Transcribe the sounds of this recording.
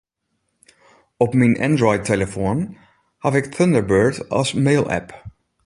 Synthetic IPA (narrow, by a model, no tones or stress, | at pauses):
ɔpminʔɛ̰nd̪ɹɔɪd̪̚t̪ʰɛləfoːn | hɑːvɛkθœnd̪əɹbøːɹdɑ̰smeɪlæ̰p